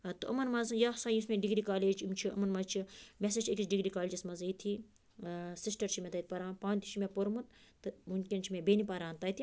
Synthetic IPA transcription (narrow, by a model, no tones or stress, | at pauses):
t̪ɨɐ̰mɐnmɐzɨjaːsaːjismʲẽɖiɡɾikaːleːd͡ʒimt͡ʃʰiɐ̰mɐnmɐzt͡ʃʰimʲeset͡ʃʰekʲisɖiɡɾikaːleːd͡ʒismɐzit̪ʰi | sisʈɐɾt͡ʃʰimʲet̪ɐt̪̚ʲpɐɾaːnpãːnʲt̪ʰi̥t͡ʃʰimepoɾmut̪t̪ɨmunkʲint͡ʃʰimẽbenipɐɾãːnt̪ɐt̪i